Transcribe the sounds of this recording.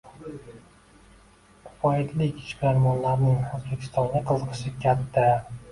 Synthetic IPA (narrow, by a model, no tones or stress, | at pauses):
fɒɪd̪ʰlɪkʲɪ̥ʃkʲaɾmɒnlaɾnɪŋozbekʲʰɪ̥st̪ɒŋɡʲaqʰɨzɨqʰɨ̥ʃɪkʲʰat̪ʰːa